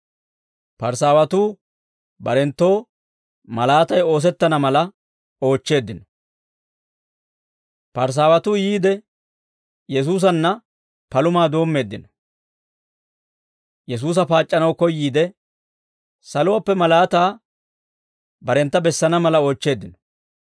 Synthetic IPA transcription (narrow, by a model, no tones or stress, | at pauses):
pɐɾsaːwɐt̪uː | bɐɾɛnt̪ːo̞ː | mɐlaːt̪ɐjo̞ːs̬ɛt̪ːɐnɐmɐlɐ | o̞ːt͡ʃːe̞ːd̪ːɪnɔ | pɐɾs̬aːwɐt̪ʊjiːd̪ɛ | jɛs̬uːs̬ɐnːɐ | pɐlʊmaːd̪o̞ːmːe̞ːd̪ːɪnɔ | jɛs̬uːs̬ɐpaːt͡ʃʼːɐnɐwkɔjːiːd̪ɛ | sɐlʊwapːɛmɐlaːt̪aː | bɐɾɛnt̪ːɐbɛsːɐnɐmɐlɐo̞ːt͡ʃːe̞ːd̪ːɪnɔ̥